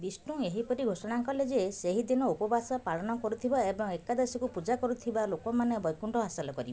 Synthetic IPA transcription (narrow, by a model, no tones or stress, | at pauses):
b̪isʈũeɦipɔɾiɡʱosɔɽ̃aŋkɔled͡ʒeseɦid̪inɔupɔbasɔpaɭɔnɔkɔɾut̪ʰibaebɔŋekad̪esikupud͡ʒakɔɾut̪ʰibalokɔmanebɔjkuɳʈɔɦasalɔkɔɾib